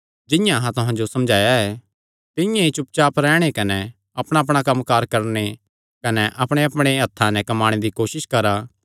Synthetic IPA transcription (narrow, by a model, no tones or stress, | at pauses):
d͡ʒɪjãɦãt̪ʊɦãd͡ʒosɐmd͡ʒʱaːjaɛː | t̪ɪjãit͡ʃʊp̚t͡ʃaːpɾɛːɽ̃ekɐnɛ | ɐpɽ̃aɐp̬ɽ̃akɐmkaːɾkɐɾne | kɐnɛʔɐpɽ̃eɐpɽ̃eɦɐt̪ʰːanɛ̃kɐmaːɽ̃ed̪ikoːʃɪʃkɐɾaː